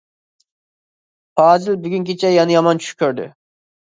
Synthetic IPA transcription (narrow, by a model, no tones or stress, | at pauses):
pɑːzɪlbyɡʲyŋkʲʰit͡ʃʰɛjɑnɨjɑmɑnt͡ʃʰy̥ʃkʲʰøɾd̪ɪ̰